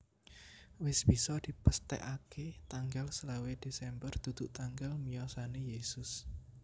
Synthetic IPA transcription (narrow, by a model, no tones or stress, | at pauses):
wɪsb̥isɔd̪̥i̤pəst̪ɛ̰ʔaket̪aŋɡalsəlawed̥esɛmbərt̪ud̪̥uʔt̪aŋɡalmijɔsanejesʊs